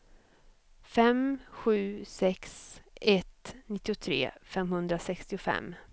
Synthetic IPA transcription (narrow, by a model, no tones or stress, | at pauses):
fɛmɧʉ̟ːsɛksɛt̪nɪt̪ːɪʊt̪ʰɾḛːfɛmhɵnd̪ɾasɛkst̪ɪʊfɛ̰mː